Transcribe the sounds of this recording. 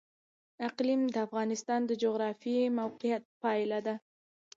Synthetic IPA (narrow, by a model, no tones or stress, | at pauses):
ɪqlimd̪əafɣɑnɪst̪ɑnd̪əd͡ʒoɣɾɑfemawqɪjat̪̚pɑjlad̪a